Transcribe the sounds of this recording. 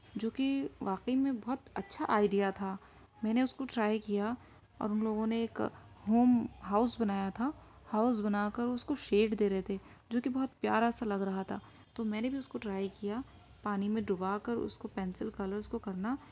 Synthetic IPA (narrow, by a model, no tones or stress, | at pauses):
d͡ʒoːkiʋaːqəimẽbɐɦʊt̪ɐtːʃʰaʔaːɪɖijat̪ʰaː | mɛ̃ːneʊskoʈɾaːjkija | ɔ̰ːɾʊnloːɡõneːk | ɦoːmɦaːʊsbɐnaːjat̪ʰahaːʊsbɐnaːkɐɾʊskoʃeːʈd̪eːɾɛɦet̪ʰe | d͡ʒoːkibɐɦʊt̪pjaːɾasalɐɡɾɐɦat̪ʰaː | t̪oːmɛ̃ːnebʱiʊskoʈɾaːjkija | paːnimẽɖʊbakəɾʊ̰skopɛ̃ːnsɪlkɐləɾskokɐɾna